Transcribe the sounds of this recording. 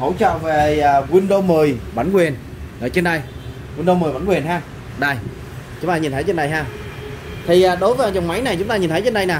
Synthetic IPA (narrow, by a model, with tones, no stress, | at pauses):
hə̰˧˩wt͡ɕə̰ː˧˨wve˨˩əː˨˩kwi˧nɗo˧məː˨˩jɓa˨˧˩nkwi˨˩ən | ʔəː˧˩t͡ɕe˧nɗa˧j | kwi˧nɗo˧mː˨˩jɓa˧˦nkwi˨˩nɦaː˧˩ | ɗaː˧˩j | t͡ɕʊ˨˦ŋ͡mt̪aː˧ɲi˨˩nt̪ʰə˨˦t͡ɕe˧nɗa˧˩jhɦaː˧ | t̪ʰi˨˩ʔaː˨˩ɗo˨˦jvəː˨˦˨t͡ɕa˨˩wŋ͡mma˨˦jna˨˩jt͡ɕʊ˨˦ŋ͡mt̪aː˧ɲi˨˩nt̪ʰə˨˦jt͡ɕe˧nɗa˧jnaː˨˩